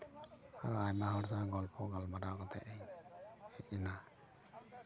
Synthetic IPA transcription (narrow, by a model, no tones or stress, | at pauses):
aɾɔajmaɦɔɾsaɡɔlpʰɔɡɔlmaɾaɡɔt̪ɛ̰ʔɛɲ | ɛina